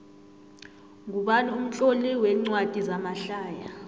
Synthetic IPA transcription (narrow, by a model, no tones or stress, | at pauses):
ŋuɓanaum̩t͡ɬʼoliwɛːŋ͡ǀwad̥ʼʱizamaɬaːja